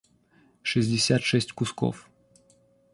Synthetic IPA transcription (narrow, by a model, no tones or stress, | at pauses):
ʂɨzʲdʲɪsʲat̪ʂɛsʲtʲkuskɔ̰f